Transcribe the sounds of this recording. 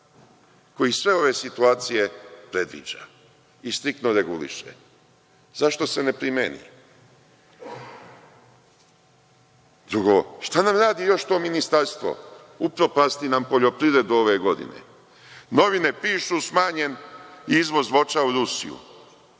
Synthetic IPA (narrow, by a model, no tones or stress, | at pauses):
ko̞jisʋe̞o̞ʋe̞sit̪uaːt̪sije̞pɾe̞d̪ʋḭːd͡ʒa̰ | ist̪ɾik̚t̪noɾeɡulḭʃḛ | zaʃt̪o̞se̞ne̞pɾimenḭ | d̪ɾuɡo̞ʃt̪anamɾaːd̪ijo̞ʃt̪o̞ːminist̪aɾst̪ʋo̰ | upɾo̞past̪inampo̞ʎo̞pɾiʋɾe̞d̪uo̞ʋe̞ɡo̞d̪ḭnḛ | no̞ʋine̞piːʃusmaːɲe̞niizʋo̞zʋo̞t͡ʃauɾusḭjṵ